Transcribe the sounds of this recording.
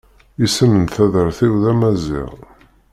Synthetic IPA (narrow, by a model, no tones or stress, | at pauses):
isənənθæðəɾθiwðæmæzḭʁ